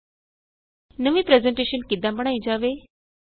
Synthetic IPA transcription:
nəʋĩpɾɛzẽɳʈeʃənkid̪ãbəɽ̃aĩd͡ʒaʋe

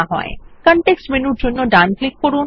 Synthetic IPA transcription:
aɦɔ̰ekɔɳʈeksʈmenuɾd͡ʑonːoɖanklik̚ːpɔɾun

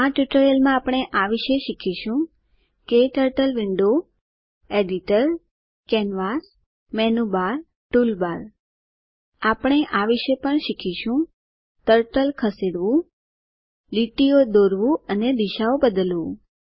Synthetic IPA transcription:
aʈuʈəɾjəlmãapɽ̃eʔaʋiʃeʃikʰiʃũ | ket̪əɾʈəlʋɪɳɖo | eɖiʈəɾ | kɛnʋas | mɛnubaɾ | ʈulbaɾ | apəɳ̃eʔaʋiʃepəɳʃikʰiʃũ | t̪əɾʈəlkʰəseɽʋũ | liʈiod̪oɾʋũəned̪iʃaobəd̪əlʋũ

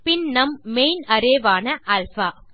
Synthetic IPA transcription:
pɪnːɐmːejnɐɾeːʋaːnɐʔɐlfaː

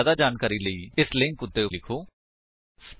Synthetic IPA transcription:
aːd̪ad͡ʒaːnkaːɾiləiːɪsleːnkʊd̪ːelɪkʰoː | sp

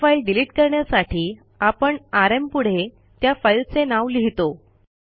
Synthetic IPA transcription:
failɖiliːʈkəɾɳjasaʈiː | apəɳaɾempuɽ̤e | t̪jafajlt͡senaʋliɦit̪o

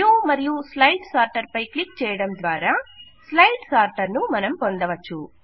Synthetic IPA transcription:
umɐɾijuslɐjʈsaːɾʈɐɾpɐjklikt͡ʃɛːjɐɽɐmd̪ʋaːɾaː | slɐjʈsaːɾʈɐɾnumɐnɐmpo̞nd̪ɐʋɐt͡ʃːu

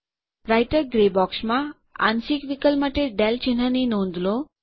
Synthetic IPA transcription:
ɾajʈəɾɡɾebɔksmã | a̰nsikʋikəlmaʈeɖɛlt͡ɕin̤aninõnd̪lo

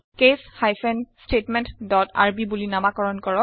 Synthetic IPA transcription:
keshajfʰɛnstetmɛntdɔta̰ɹbibulinamakɔɹɔnkɔɹɔk

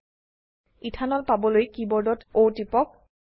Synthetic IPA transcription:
itʰanɔlpabɔlojkibɔɹdɔtowtipɔk̚

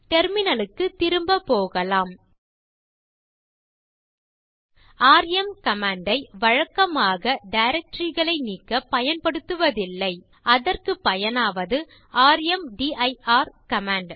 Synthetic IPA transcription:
t̪ɛɾmɪnɐlɯkːɯt̪ːɪɾɯmbɐpːoːɣɐlaːm | aːɾjɛmkɐmaːɳɖɐɪʋɐɻɐkːɐmaːɣɐɖɐɪɾɐk̚ʈɾiɣɐɭɐɪniːkːɐpɐjɐnpɐɽɯt̪ːɯʋɐðɪlːɐɪ | ɐðɐrkɯpːɐjɐnaːʋɐðɯ | aːɾjɛmɖiːʔɐɪaːɾkɐmaːɳɖ

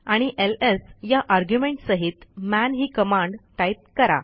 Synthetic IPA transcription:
aɽ̃iʔelesjaʔaɾɡjumẽɳʈsəɦit̪mænɦiːkəmãɳɖʈajt̪̚kəɾa̰

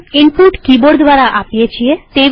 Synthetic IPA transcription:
inpuʈkiboɾd̪ʱʋaɾaʔapijet͡ɕʰijet̪e

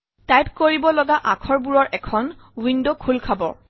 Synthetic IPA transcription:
tajp̚koɹibɔlɔɡaʔakʰɔɹbuɹɔɹʔɛkʰɔn | windokʰulkʰabɔ̰

